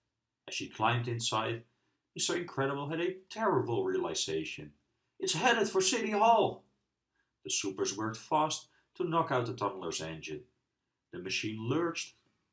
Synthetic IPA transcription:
ʔɨz̥ʃikʰl̥ãɪ̃mdɨ̃nsaɪd̚ | hisoʊɨ̃nkʰɹ̥ɛɾəbl̩ˠɨɾɨtʰɛɹəbl̩ˠɹiəlˠɪzeɪʃɨ̰̃n | ɨtshɛɾəd̥fə˞sɪɾihɔlˠ | ðɨsupə˞zwɜ˞k̚tfæstʰ | ənɑkaʊt̪̚ðətʰʌ̃nlˠə˞zɛ̃nd͡ʒɨ̰̃n | ðɨmɨʃĩnlɜ˞t͡ʃt

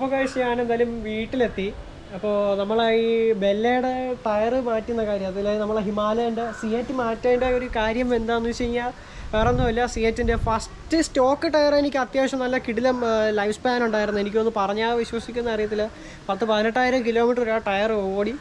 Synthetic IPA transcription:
uʋɐɣaːɕɐjaːnend̪aːlumʋiːʈːile̞t̪ːi | ɐpːo̞ːnɐmːɐɭaːjibe̞lːejɽeʈɐjɐrɨmaːtːunːɐkaːɾjɐmɐðilːenɐmːɐɭeɦimaːlɐjuɳɖɨsijetːɨmaːtːaːjuɳɖaːjio̞ɾukaːɾjɐmʋe̞nd̪aːnːut͡ɕejiɲːa | peːrɐnːuʋɐlːɐsijetːindefɐs | tɨsto̞ːkːɨʈɐjɐre̞nikʲːɨɐt̪jaːɕɐmnɐlːɐkiɽilɐmlɐjfspaːnuɳɖaːjiɾunːue̞nikʲːo̞nːɨpɐrɐɲːaːʋiɕwɐsikʲːunːɐːrijɐt̪̬ːil | pɐt̪ːɨpɐðinɐʈːaːjiɾɐmk̬ilo̞ːmiʈːroɾaːʈɐjɐroːɽi

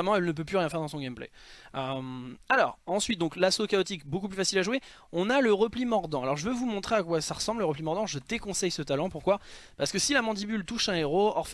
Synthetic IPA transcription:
ɛmɑ̃ɛlnəp̬øplyʁjɛ̃fɛʁd̪ɑ̃sɔ̃ɡʲɛmplḛ | ømalɔːʁɑ̃sɥit̪̚d̪ɔ̃klasokaɔt̪ikbokup̬lyfasilaʒwe | ɔ̃naləʁəplimɔʁd̪ɑ̃alɔʁʒəvøvumɔ̃t̪χeakwasaʁəsɑ̃bləʁəplimɔʁd̪ɑ̃ʒəd̪ekɔ̃sɛjsət̪alɑ̃puʁkwapaʁsəkəsilamɑ̃d̪ibylt̪uʃɛ̃eʁoɔʁf

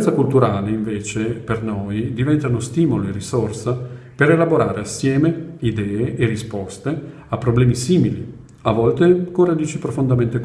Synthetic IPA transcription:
nt̪sakult̪uɾaːleiɱveːt͡ʃepernoːjd̪ivɛnt̪anost̪iːmoloerːisorsa | peɾelaboɾaːɾʔeasːjɛːmeid̪ɛːeʔːrispɔst̪e | apːɾoblɛːmisiːmili | avːɔlt̪ekoɾad̪iːt͡ʃipɾofond̪ament̪ek

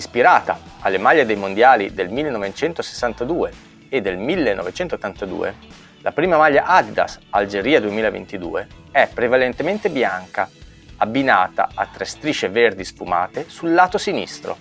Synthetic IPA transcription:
ispiɾaːt̪a̰alːemaʎːed̪ejmond̪jaːlid̪elmilːenɔvet͡ʃɛnt̪ose̥sːant̪ad̪uːe | ed̪ːelmilːenʔɔ̰vet͡ʃɛnt̪ot̪ːant̪ad̪ṵːḛ | lʔapɾiːmamaʎːaʔad̪d̪a̰sald͡ʒeɾiːad̪uemiːlavḛnt̪id̪ṵːeɛpːɾevalent̪ement̪ebjaŋka | abːinaːt̪a̰ʔat̪ːɾest̪ɾiːt͡ʃeverd̪ispuma̰ːt̪esulːaːt̪osinḭst̪ɾo̰

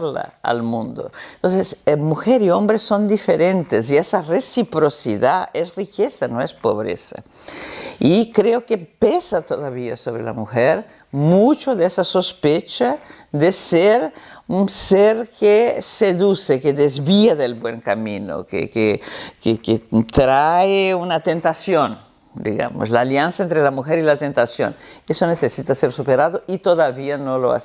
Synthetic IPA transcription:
la̰a̰lmũnd̪o̰ent̪õnsesmuxeɾiõmbɾesːõnd̪ifeɾẽnt̪esiesaresipɾosḭðaesrikesanõespo̰βɾḛsa̰ | ikɾeokepesat̪oðaβia̰soβɾḛla̰muxeɾ | mut͡ʃoðesasospet͡ʃa | ðeseɾuseɾkeseðusekeðezβiaðelbweŋkamino̰kḛkekeket̪ɾaeunat̪ent̪asjon | d̪ḭɣa̰mo̰slaːljansaent̪ɾelamuxeɾilat̪ent̪asjo̰nesonesesit̪aseɾsupeɾaðoit̪oðaβianoloa̰s

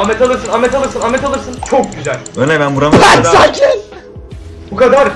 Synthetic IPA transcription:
amɛt̪ʰalˠɯɾsɯnamɛt̪alˠɯɾsɯnamɛt̪ʰalˠɯɾsɯnt͡ʃʰok̚ɟyzælʲøjnɛbænbuɾaansad͡ʒʰin | bukʰad̪aɾ

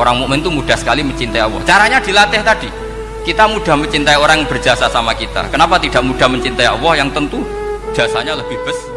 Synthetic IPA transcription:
oɾaŋmomɪnt̪umuɖ̥a̤hsə̥kaliməɲt͡ʃint̪aiʔɔwɔ̰ht͡ʃaɾaɲad̥i̤lat̪ɪht̪ad̥i | kit̪amuɖ̥a̤hməɲt͡ʃint̪aioɾaŋb̥ərd͡ʒ̥asasamakit̪a̰kənapat̪id̥a̤ʔmuɖ̥ahməɲt͡ʃint̪aiɔ̰wɔhjaŋt̪ənt̪u̥ | ʒ̥asaɲaləb̥ɪhb̥əs

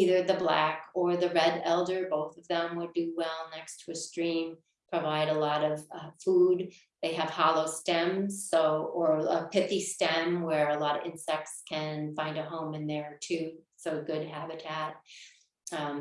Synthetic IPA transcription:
iðə˞ðɨblæ̰kə˞ðɨɹɛɾɛlˠdə˞boʊθʌvðə̃mwədɨwɛlˠnɛkstʰəɨstɹ̥ĩm | pʰɹ̥ɨvaɪɾəlɔɾʌv̥fud | ðeɪɨv̥hɑlˠoʊstɛ̃mz̥soʊə˞əpʰɪθistɛ̃mwə˞əlɔɾʌ̰vɪ̃nsɛk̚tskʰɨ̃nfãɪ̃ndɨɦõʊ̃mɨ̃nðə˞tʰʉsoʊɡʊd̚ɦæbɨtʰæt̚

